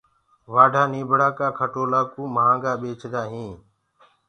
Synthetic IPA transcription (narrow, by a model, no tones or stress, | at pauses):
ʋaːɖʱaːniːbʱɽaːkaːkʰəʈoːlaːkũːməɦãːŋɡaːɓeːt͡ʃʰd̪aːɦĩː